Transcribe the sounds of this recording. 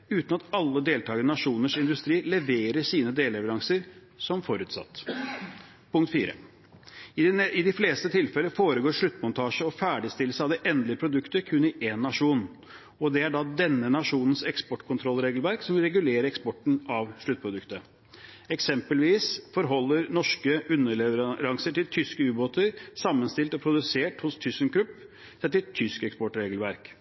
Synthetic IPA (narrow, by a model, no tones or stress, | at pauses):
ʉːt̪nɑt̪ɑlːəd̪eːlt̪ʰɑːɡəənɑʂuːnəʂɪnd̪ʉst̪ɾiːlɛʋeːɾəʂiːnəd̪eːlɾɛʋəɾɑŋsəɾ | sɔmfɔɾʉːt̪sɑ̰t̪ː | pʊŋkt̪fiːɾə̰ | ɪd̪ɪfleːst̪ət̪ʰɪlfɛlːəfoːɾəɡoːɾʂɭʉt̪ːmʊnt̪ʰɑːʂəɔfæːɖɪst̪ɪlːsəɑʋd̪ɛʔɛnd̪lɪəpʰɾʊd̪ʉkt̪əɾkʰʉnːɪʔenːɑʂuːn | ɔd̪ɛæɖɑd̪ɛnːənɑʂuːnənsɛkspɔʈːkʰʊnt̪ʰɾɔlɾeːɡəlʋæɾksɔmʋɪlɾɛɡʉleːɾəɛkspɔʈɳ̩ɑʋʂɭʉt̪̚pʰɾʊd̪ʉkt̪ə | ɛksɛmpəlʋiːsfɔɾɦɔlːəɾnɔʂkəʔʉnːəɭɛʋəɾɑŋsəʈɪlt̪ʰʏskəʉːboːt̪əɾsɑmːənst̪ɪlt̪ɔpʰɾʊd̪ʉseːʈhʊst̪ʰʏsənkɾʉpː | t̪ʰɛt̪ːɪt̪ʰːʏskɛkspɔʈɾeːɡəlʋæɾk